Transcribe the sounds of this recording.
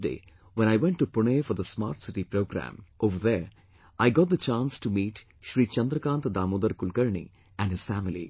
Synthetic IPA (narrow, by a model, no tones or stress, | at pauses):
ɖḛː | ʋɛ̃ñaɪʋɛ̃ɳʈːupʊɳeːfɔɾd̪əsma̰ːɾʈsɪʈipɾoːɡɾæ̰̃mʔoːʋəɾðeɾ | ʔaɪɡɔːʈ̚d̪ət͡ʃãːnsʈumiːʈ | ʃɾiːt͡ʃɐ̃nd̪ɾəkãːnt̪d̪aːmoːd̪əɾkʊlkɐɾɳḭ | æ̃ɳɖɪz̥fæːmɪlḭ